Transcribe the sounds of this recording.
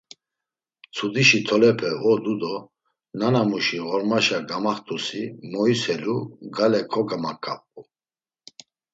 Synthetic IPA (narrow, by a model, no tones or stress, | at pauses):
t͡sʰud̪iʃit̪ʰɔlɛpʰɛɔd̪ud̪ɔ | nanamuʃiɣɔɾmaʃaɡamaχt̪ʼusimɔisɛluɡalɛkʰɔɡamakʼːa̰pʼu